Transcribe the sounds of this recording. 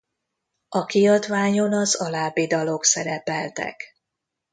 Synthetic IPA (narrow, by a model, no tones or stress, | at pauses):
ɒkiɒd̪ʋaːɲonɒzɒlaːbid̪ɒlo̞ksɛɾɛpɛlt̪ɛ̰k